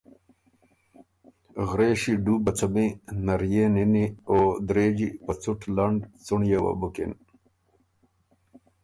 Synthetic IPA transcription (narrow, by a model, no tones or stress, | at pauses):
ɣɾeːɕiɖuːbɐt͡sʰɐmẽnɐɾjeːninioːd̪ɾeːd͡ʑipɐt͡suʈʰlɐɳɖt͡suɳjewɐ̰bukḛn